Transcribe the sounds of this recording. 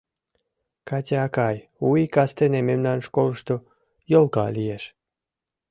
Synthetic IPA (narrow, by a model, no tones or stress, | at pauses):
katʲaakajuikast̪enememnanʃkolʃt̪o | jolkɑ̰lʲieʃ